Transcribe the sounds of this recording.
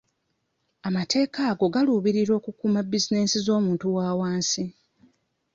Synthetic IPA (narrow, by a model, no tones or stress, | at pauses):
amate̞ːkaːɡo̞ɡaluːβiɾiɾo̞ːkukuːmabizine̞ːsizo̞ːmuːntuwaːwaːnsi